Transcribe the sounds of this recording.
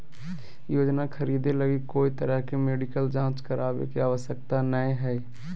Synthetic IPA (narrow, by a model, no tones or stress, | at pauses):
joːd͡ʒnakʰəɾiːd̪eləɡikoːit̪əɾəɦkemeːɖɪkəld͡ʒãːt͡ʃkəɾaːbḛkiaːʋəsjək̚t̪anəĩɦɛː